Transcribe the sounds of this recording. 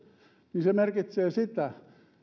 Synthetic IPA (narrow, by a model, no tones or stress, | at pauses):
ninsemerkit̪seːsit̪æ